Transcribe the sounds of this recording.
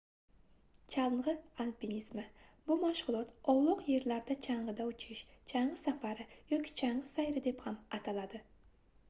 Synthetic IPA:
t͡ʃʰalˠʁɨalpinismabʊmaʃʁʊlˠɒt̪ɒwlˠɒqje̞ɾlaɾd̪at͡ʃʰaɴʁɨd̪aʊt͡ʃʰɪʃt͡ʃʰaɴʁɨsafaɾɪjɒkʲʰɪ̥t͡ʃʰaɴʁɨsajɾɪd̪e̞phamat̪ʰalad̪ɪ

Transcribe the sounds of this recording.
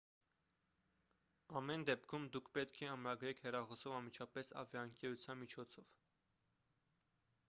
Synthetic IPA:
ɑmɛnd̪ɛp̚kʰumd̪ukʰpɛt̪kʰɛɑmɾɑɡɾɛkʰhɛrɑχɔsɔvɑnmit͡ʃʰɑpɛsɑ̰vjɑəŋkɛɾut͡sʰjɑnmit͡ʃʰɔt͡sʰɔv̥

